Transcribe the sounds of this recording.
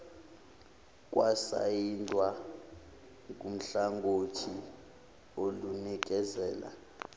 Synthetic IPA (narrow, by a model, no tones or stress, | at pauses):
kʼwasa̰jintʼwa | kʼum̩ɬaŋɡʱotʰi | olunik̬ʼɛzɛːla̰